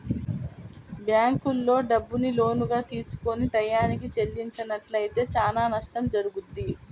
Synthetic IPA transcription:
bjaːŋkulːo̞ːɖɐbːunilo̞ːnuɡaːt̪iːsu̥ko̞niʈɐjːaːnik̬it͡ʃe̞lːiɲt͡ʃɐnɐʈlɐjt̪e̞ːt͡ʃaːlaːnɐʂʈɐmd͡ʒɐɾuɡud̪ːi

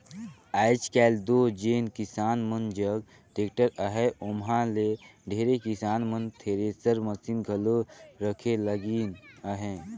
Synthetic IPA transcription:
aːɪt͡ʃkɛːld̪oːd͡ʒeːnkɪsaːnmənd͡ʒəɡ̚ | ʈeːk̚ʈəɾəɦɛʊmɦãleɖʱeːɾekɪsaːnmənt̪ʰeːɾesəɾməsiːnɡʱəloɾəkʰeləɡiːnəɦẽː

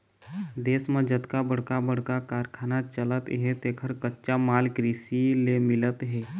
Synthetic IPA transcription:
d̪eːsmed͡ʒət̪kabəɽ̤kabəɽ̤kakaːɾkʰaːnat͡ʃələt̪ɦɛt̪eːkʰəɾkətːʃamaːlkɾisilemɪlət̪ɦɛː

